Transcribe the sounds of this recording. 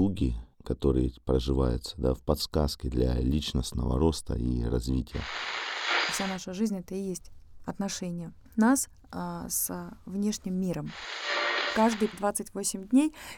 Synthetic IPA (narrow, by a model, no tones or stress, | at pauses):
uɡʲɪkɐt̪o̞ɾɨ̰jəpɾəʐɨvajʊ̰t̪sə̥d̪afpɐt̪skaskʲɪd̪lʲa̰lʲit͡ɕnəsnə̰və̰ɾo̞st̪ə̰ḭɾɐzvʲitʲɪjə̰ | fsʲanaʂɨʐɨzʲnʲɛt̪əɪjesʲtʲɐt̪nɐʂɛnʲɪjə | nas | svnʲe̞ʂnʲɪmːʲiɾəm | kaʐd̪ɨjd̪vat̪sɨtʲvosʲɪmdʲnʲej